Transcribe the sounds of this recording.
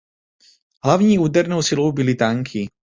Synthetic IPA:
ɦlavɲiːuːdɛɾnowsɪlo̞wbɪlɪt̪aŋkʰɪ

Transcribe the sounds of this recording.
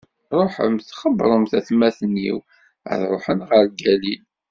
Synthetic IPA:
ɾˤoħə̰mθχəbɾˤəmθæθmæθənːḭw | ə̰ðɾˤoħənʁəɾɡælil

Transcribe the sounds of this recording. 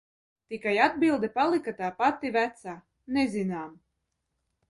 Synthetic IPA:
t̪ikajad̪̚bilˠd̪ɛpalˠikat̪aːpat̪ivæt̪saː | nezinaːm

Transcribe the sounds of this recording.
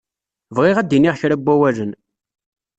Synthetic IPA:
vʁɪʁæd̪ːiniʁçɾæbːæwælən

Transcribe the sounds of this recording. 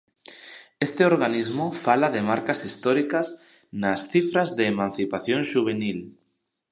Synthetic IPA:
est̪ɪoɾɣanizmʊfalaðemaɾkasist̪ɔɾikɐs | nasθifɾazðeːmãn̟θipaθjõŋʃuβ̞enil

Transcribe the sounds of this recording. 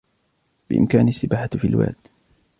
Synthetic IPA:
b̥ɪʔɪ̰mkaːnasːɪbaːħafilwa̰ːd̪

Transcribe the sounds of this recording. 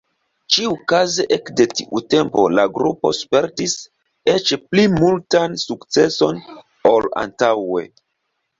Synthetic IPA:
t͡ʃiukazeʔekde̞tiʔute̞mpo̞̰laɡɾupo̞̰spe̞ɾtis | e̞t͡ʃplimultansukt͡se̞so̞n | o̞la̰ntawe̞̰

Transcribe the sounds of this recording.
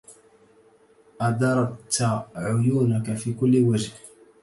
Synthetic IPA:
ʔɑd̪ɑɾˤɑt̪ːaʕʊjuːnakafiːkʊlːɪwaʒh

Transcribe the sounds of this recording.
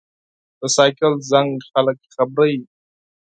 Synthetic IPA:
d̪̥əsaːjkəlzaŋɡxalək̚ːixabɾaji

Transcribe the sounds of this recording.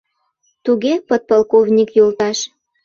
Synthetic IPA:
t̪uɣepət̪̚pɑlkovnʲikjolt̪ɑʃ

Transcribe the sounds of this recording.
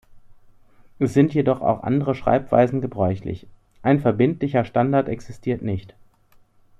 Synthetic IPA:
ʔɛsz̥ɪntjedɔχa̰ʊxʔa̰ndəʁəʃʁ̥a̰ɪpv̥a̰ɪzn̩ɡəbʁɔʏçlɪ̰ç | ʔaɪnfɛɐbɪntlɪçɐʃtandaɐtɛksɪstʰiːɐtnɪçt

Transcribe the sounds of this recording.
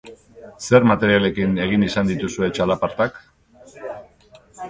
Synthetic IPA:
se̞ɾmat̪e̞ɾiale̞kine̞ɣ̞inisand̪it̪usue̞t͡ʃalapaɾt̪ak

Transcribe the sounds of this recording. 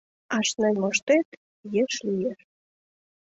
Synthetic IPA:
ɑʃnenʲmoʃt̪et̪ | jeʃlijeʃ

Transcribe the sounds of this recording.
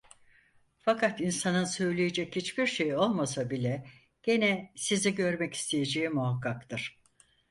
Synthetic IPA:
fakʰat̪insanɯnsø̞jlʲejed͡ʒɛchit͡ʃbiɾʃe̞jo̞lˠmasabilʲɛ | ɟ̥e̞nɛsiziɟø̞ɾmɛci̥st̪ʰejed͡ʒeimuɦakːakt̪ʰɯɾ̥

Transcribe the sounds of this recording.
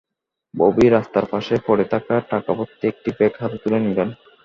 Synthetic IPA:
bobiɾast̪aɾpaʃefɔɾet̪ʰakaʈakapot̪ːiek̚ʈibekɦat̪et̪ulenilen

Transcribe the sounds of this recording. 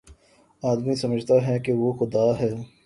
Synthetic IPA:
aːd̪misɐməd͡ʒʱt̪aɦɛkeʋoxʊd̪aːɦɛː

